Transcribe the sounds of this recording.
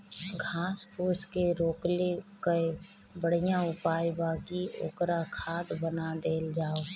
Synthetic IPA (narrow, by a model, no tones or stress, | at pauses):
ɡʱaːspʰuːskeɾoːklekəe | bəɽ̤ijãʊpaːibaːɡio̰ːkɾakʰaːd̪bənad̪eːld͡ʒaːoː